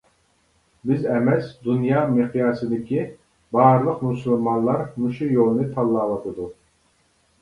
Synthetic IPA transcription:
bɪzɛmɛsd̪unjɑmɨqʰijɑːsɨd̪ɪkʲi | bɑːɾlˠəqmusulˠmɑnlˠɑɾmuʃujolˠnɨt̪ʰɑlˠːɑːlɑt̪ʰɨd̪u

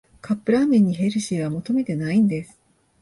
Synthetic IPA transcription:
kʰapːɯ̟ɾaːmẽ̞ɲ̟ːiɦe̞ɾɯ̟ɕiβamo̞t̪o̞me̞t̪e̞naĩnd̪e̞sɨ̥

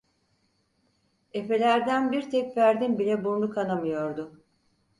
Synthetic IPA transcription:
e̞pe̞lʲæɾd̪ænbiɾt̪ʰɛcvæɾd̪inbilʲɛbuɾlˠukʰanamɯjo̞ɾd̪ʊ

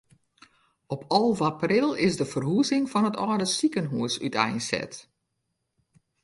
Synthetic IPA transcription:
ɔpʰɔlˠʋaprɪlˠɪsdəfərɦuzɪŋfɔnətɔːdəsikənɦuəsy̰tʰɛ̰jnsɛ̰t

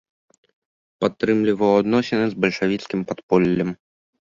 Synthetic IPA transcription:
pat̪ːɾɨmlʲivɐwad̪nɔsʲɛnɨzbɐlʲʂavʲit̪skʲimpat̪pɔlʲːɐm

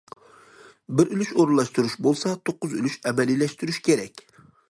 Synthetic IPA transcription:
bɪɾʔylyʃoɾlˠɑʃt̪uɾuʃbolˠsɑt̪ʰoqːʊzy̰lyʃɛmɛlilɛʃt̪yɾyʃkʲʰeɾɛkʲ

